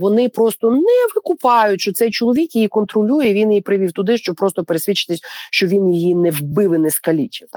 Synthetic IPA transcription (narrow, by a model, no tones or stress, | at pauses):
ʋɔnɪpɾɔst̪ɔnɛʋɪkʊpɑjʊtʲʃt͡ʃɔsɛjt͡ʃɔlˠɔʋʲikjijikɔnt̪ɾɔlʲujɛʋʲinjipɾɪʋʲiwt̪ʊd̪ɪʃt͡ʃɔb̚pɾɔst̪ɔpeɾesʲʋʲit͡ʃɪ̥t̪ɪsʲʃt͡ʃɔʋʲinjijinɛwbɪʋɪnɛskɐlʲit͡ʃʲɪt̪